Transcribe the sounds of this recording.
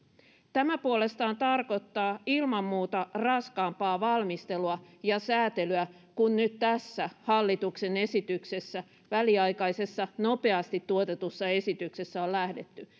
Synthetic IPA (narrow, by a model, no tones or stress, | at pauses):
t̪æmæpuole̞st̪ɑːnt̪ɑrko̞t̪ːɑːilmɑmːuːt̪ɑrɑskɑːmpɑːʋɑlmist̪eluɑjɑsæːt̪elyæ | kunnyt̪t̪æsːæhɑlːit̪uksene̞sit̪yksesːæ | ʋæliɑikɑisesːɑnope̞ɑst̪it̪tːuot̪et̪usːɑesit̪yksesːæollæhde̞t̪ːy